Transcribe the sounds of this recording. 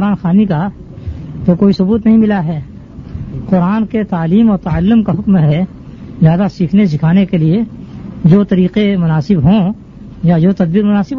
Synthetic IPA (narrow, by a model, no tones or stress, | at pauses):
ɾaːnxaːnika | t̪okoːisʊbuːt̪nɐɦĩmɪlaɦɛː | qʊɾaːnket̪aːliːmɔːɾt̪aəlːʊmkaɦʊkmɦɛ | zjaːd̪asiːkʰnes̬ɪkʰaːnekelied͡ʒoːt̪ɐɾiːqemʊnaːsɪbɦõ | jad͡ʒoːt̪ɐd̪̚biːɾmʊnaːsɪb